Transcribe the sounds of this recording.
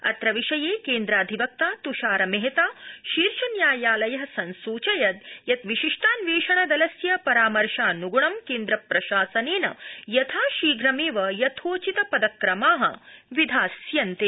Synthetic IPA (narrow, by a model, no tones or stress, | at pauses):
ɐ̰t̪ɾɐʋiʃɐjeːkeːnd̪ɾaːd̪ʱiʋɐk̚t̪aːt̪uʃaːɾɐmeɦet̪aːʃiːɾʃɐnjaːjaːlɐjɐɦɐsɐnsuːt͡ʃɐjɐd̪jɐt̪ʋiʃiʂʈaːnʋeːʃɐɳɐd̪ɐlɐsjɐpɐɾaːmɐɾʃaːnuɡuɳɐmkeːnd̪ɾɐpɾɐʃaːsɐneːnɐ̰jɐt̪ʰaːʃiːɡʱɾɐmeːʋɐjɐt̪ʰoːt͡ʃit̪ɐpɐd̪ɐkɾɐmaːɦɐ̰ʋid̪ʱaːsjɐnt̪eː